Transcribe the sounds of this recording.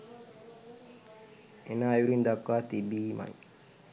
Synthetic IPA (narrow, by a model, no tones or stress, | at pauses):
enaːjuɾind̪akːaːt̪ibiːma̰j